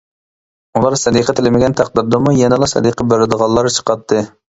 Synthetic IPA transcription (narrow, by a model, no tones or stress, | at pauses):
ulˠɑɾsɛd̪iqʰət̪ʰɪlɪmɪɡʲɛnt̪ʰæq̚d̪ɨɾd̪əmujɛnɨlˠɑsɛ̰d̪iqʰəbøɾɪd̪əʁɑlˠːɑɾt͡ʃʰə̥qɑt̪ʰːɨ